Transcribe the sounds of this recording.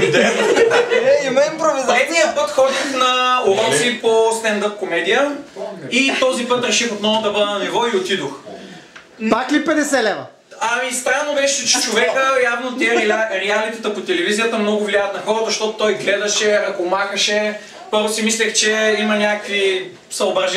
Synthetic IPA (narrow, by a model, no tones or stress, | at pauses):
d̪ɛ | ɛimɐimpɾovizaɛd̪nijəpɤt̪xɔd̪ixnɐoɾɔsipost̪ɛnd̪əp̚komɛd̪ijə | it̪ɔzipət̪ɾɛʃixot̪nɔvʊd̪ɐbəd̪ɛnɐnɛvɔiot̪id̪ox | paklipɛd̪ɛsɛlɛnə̰ | ɐmist̪ɾanːobɛʃt͡ʃɛt͡ʃovɛkəjavnot̪iɛɾɾɛalit̪ɐt̪ɐpot̪ɛlɛvizijət̪ɐmnɔɡʊvliaət̪nɐxɔɾəzzɐʃt̪ɔt̪ot̪ɔjɡlɛd̪ɐʃɛɐkomaxəʃɛ | poɾsimislɛxt͡ʃɛimɐnʲakəkvi | sɐlˠbɐʒ